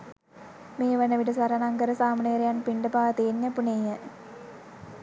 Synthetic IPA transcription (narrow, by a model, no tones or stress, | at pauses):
meːʋɐnəʋiʈəsʋɐɾɐnaŋkəɾəsaːmuneːɾejanpiɳɖəpaːʋt̪eːnːapunejə